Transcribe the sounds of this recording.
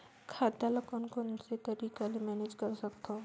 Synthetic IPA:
kʰaːd̪aləkʊnkonset̪ɐɾiːkalemɛːneːd͡ʒkɐɾsɐkt̪oː

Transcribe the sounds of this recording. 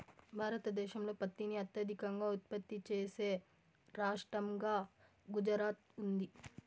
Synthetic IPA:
bʱaːɾɐt̪ɐd̪ɛːʃɐmlo̞ːpɐt̪ːiniɐt̪jɐd̪ʱikɐŋɡaːut̪̚pɐt̪ːit͡ʃeːse̞ː | ɾaːʂʈɾɐmɡaː | ɡud͡ʒɾaːt̪und̪i

